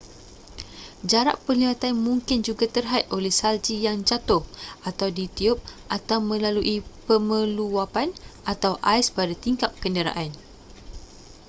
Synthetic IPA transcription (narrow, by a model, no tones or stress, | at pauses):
d͡ʒaɾa̰ʔpəliwat̪anmũŋkɪnd͡ʒuɡat̪ərɦat̪̚olɛhsald͡ʒijaŋd͡ʒat̪ʊhʔat̪awdit̪iʊp̚ʔat̪awmə̃laluʔipəmə̃luwapanat̪awʔajspadat̪iŋkap̚kəndəɾa̰ʔan